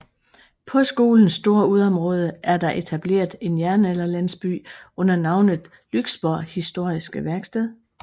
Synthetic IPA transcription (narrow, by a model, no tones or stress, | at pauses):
pʰɒ̽sɡ̥o̝ːln̩sːd̥o̝ːɐuð̞ˠɒ̽mʁɔ̽ːð̞ˠəæɐd̥ɑ̈ʔe̝t͡sʰæb̥le̝̰ːɐðˠe̝njæɐnelɐlæn̰sb̥y̰ːɔ̽n̰ɐnɑ̈ʊnð̩ˠ | lyɡ̥sb̥ɒɐhisd̥o̝ɐ̰isɡ̥əʋæɐɡ̥sd̥ɛð̰ˠ